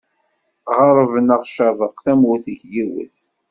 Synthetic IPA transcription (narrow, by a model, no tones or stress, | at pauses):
ʁəɾˤəvnəʁʃəðˤəqθæmwʊθəçjiwə̰θ